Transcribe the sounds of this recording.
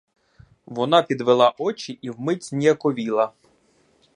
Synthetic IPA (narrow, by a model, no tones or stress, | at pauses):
ʋɔnɑpʲid̪ʋelˠɑʔɔt͡ʃiʔiwmɪt͡sʲnʲiɐkɔʋʲilˠɐ